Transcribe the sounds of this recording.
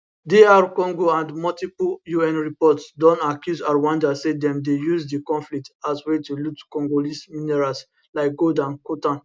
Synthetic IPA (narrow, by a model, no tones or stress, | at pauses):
deaɹkɔ̃ŋɡoãndmɔltipljuɛ̃nɹipɔtsdɔ̃ntakjuzaɹwɔ̃ndasedɛ̃mdejuzdikɔ̃nflik̚taswetulutkɔ̃ŋɡolisminɛɹals | laɪk̚ɡodãnkotãn